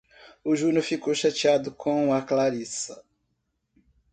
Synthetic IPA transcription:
ʊʒũnofikowʃat͡ʃiad̪ʊkʰõɐklaɾisɐ

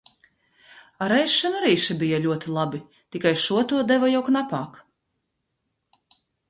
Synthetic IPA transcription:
aɾɛjʃːɛnuɾiːʃabijalʲuɔt̪ilˠabi | t̪ikajʃuɔt̪uɔd̪ɛvɔjawknapaːk

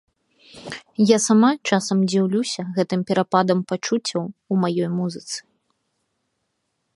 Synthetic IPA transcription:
jasamat͡ʂasɐmd͡zʲiwlʲusʲɐɣɛt̪ɨmpʲɛɾapad̪ɐmpat͡ʂut͡sʲːɐwumajɔjmuzɨt̪sɨ̥

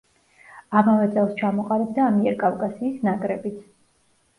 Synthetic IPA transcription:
amavɛt̪sʼɛlˠst͡ʃʰamɔqʼalib̚d̪aːmiɛɾkʼafkʼasiːsnakʼɾɛbit̪sʰ

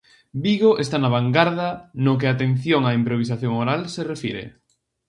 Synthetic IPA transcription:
biɣoʔest̪anaβaŋɡaɾðɐnok̬ɪat̪en̟θjoŋaimpɾoβ̞isaθjoŋoɾalserefiɾḛ

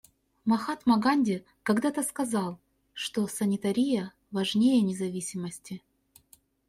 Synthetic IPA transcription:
mɐxat̪mɐɡanʲdʲɪ | kɐɡd̪at̪əskɐzɑlˠ | ʂt̪osənʲɪt̪ɐɾʲijə | vɐʐnʲejənʲɪzɐvʲisʲɪməsʲtʲɪ

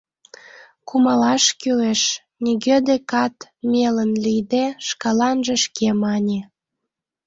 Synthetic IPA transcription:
kumɑlɑʃkyleʃ | nʲiɡed̪ekɑt̪mʲelənlijd̪eʃkɑlɑnʒĕʃkemɑnʲe

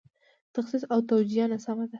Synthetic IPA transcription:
t̪axsis̬awt̪awd͡ʒijanasamad̪a

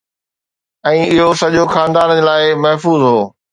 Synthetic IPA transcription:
ɛ̃ːɪɦosɐʄoxaːnd̪aːnd͡ʑeːlaːɪmɐɦfuːzɦoː

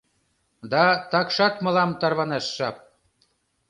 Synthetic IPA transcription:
d̪ɑt̪ɑkʃɑt̪mɤ̆lɑmt̪ɑrβɑnɑʃːɑp̚

